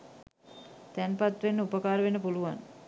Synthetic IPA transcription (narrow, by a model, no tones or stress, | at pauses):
t̪ænpat̪ʋenːəupəkaːɾəʋenːəpuluʋan